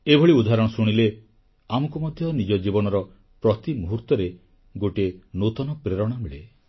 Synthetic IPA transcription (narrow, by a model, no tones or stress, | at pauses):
ebʱoɭiud̪ʱaɾɔɽɔsuɽ̃ile | amɔkumɔd̪ʱjɔnid͡ʒɔd͡ʒibɔnɔɾɔ | pɾɔt̪imuɦuɾt̪ɔɾe | ɡoʈenot̪ɔnɔpɾeɾɔɽ̃ameɭe